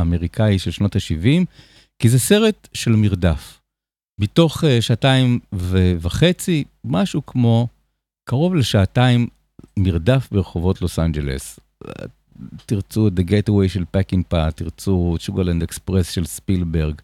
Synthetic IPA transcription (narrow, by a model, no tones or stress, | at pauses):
ame̞ʁikʰaiʃelʃno̞thaʃivim | kizese̞ʁetʃe̞lmiʁdaf | bito̞χeʃaːtaimvevaχe̞t͡si | maʃukmo̞ | kaʁo̞vleʃaːtaimː | iʁdafbeʁeχovo̞tlo̞sand͡ʒḛlḛs | t̪iʁt͡suet̚d̪eɡetawejʃelpakiŋpat̪iʁt͡suʃuɡalandekspʁesʃe̞lspilbe̞ʁɡ